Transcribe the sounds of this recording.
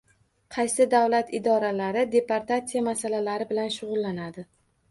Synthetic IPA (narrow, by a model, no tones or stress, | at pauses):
qʰɑjsɪd̪avlat̪ɪd̪ɒɾalaɾɪd̪e̞paɾt̪at̪sijamasalalaɾɪbɪlanʃʊʁʊlˠːanad̪ɪ